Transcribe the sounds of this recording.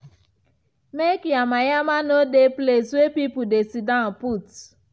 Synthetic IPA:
mekjamajamanodepleswepipudesidãnput

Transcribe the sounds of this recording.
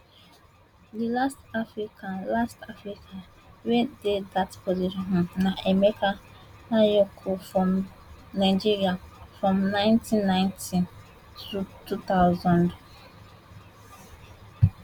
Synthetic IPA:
dilastafɹikʰãnlastafɹikʰa | wededatpoziʃɔ̃nɦnaʔemekʰa | najokʰofɹɔ̃m | naɪd͡ʒiɾiafɹɔ̃mnãɪ̃ntĩnːãɪ̃nti | tʰutut̪aʊzɔ̃nd

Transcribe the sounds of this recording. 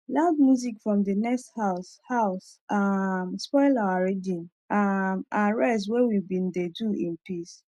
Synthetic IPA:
laʊd̚mjuzikfɹɔ̃mdənɛksthaʊshaʊsʔamspɔɪlawaɹidĩn | amaɹɛst̬wewibĩndeduĩnpis

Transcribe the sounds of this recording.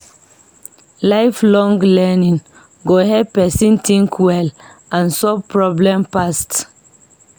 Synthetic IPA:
laɪflɔ̃ŋɡlɛnĩŋ | ɡoɦɛpɛsĩntʰĩŋkʰwɛl | ʔãnsɔvpɹɔblɛ̃mpast

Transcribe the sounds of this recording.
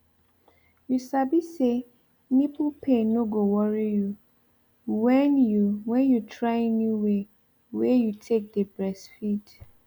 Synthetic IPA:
jusabise | nipupʰẽnoɡowɔɹiju | wɛnjuwɛ̃njutʰɹaɪnuwe | wejutʰek̚dəbɹɛsfid

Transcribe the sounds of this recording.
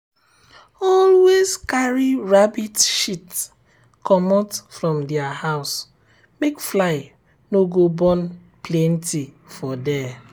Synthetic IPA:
ɔlwezkaɹiɹabitʃit | kʰɔmɔtfɾɔ̃mdɛahaʊs | mekflaɪ | noɡobɔn | plɛ̃n̩ti | fɔdɛ

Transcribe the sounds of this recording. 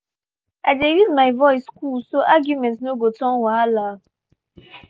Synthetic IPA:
aɪdejuzmaɪvɔɪskulsoʔaɡjumɛ̃ntnoɡotɔ̃nwala

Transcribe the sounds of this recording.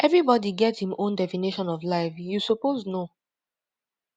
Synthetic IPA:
ʔɛvɹibɔdiɡɛthĩmõndɛfiniʃɔ̃nɔvlaɪfjusopozno

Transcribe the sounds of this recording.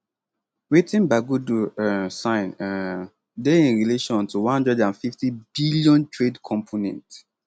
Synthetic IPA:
wetĩnbaɡudusãɪ̃n | deĩnɹileʃɔ̃ntuwãnhãndɹɛdãnfiftibiljɔ̃ntɹedkʰɔ̃mpʰonɛ̰̃nt

